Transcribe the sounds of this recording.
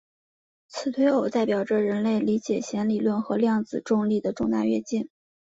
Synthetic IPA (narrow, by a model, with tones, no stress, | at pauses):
t͡sʰɹ̩˨˩t̪ʰwe˧˥ɪo˨˩ʊt͡sa˥˩ɪpjɑ˨˩ʊʈ͡ʂə˦ɻə˧˥nle˥˩ɪli˧˥t͡ɕjɛ˨˩ɕjɛ˧˥nli˨˩lwə˥˩nxɤ˧˥ljɑ˥˩ŋd͡zɹ̩˨˩ʈ͡ʂʊ˥˧ŋli˥˩d̪ə˩ʈ͡ʂʊ˥˧ŋt̪a̰˥˧ɥɛ̰˥˧t͡ɕi˥˩n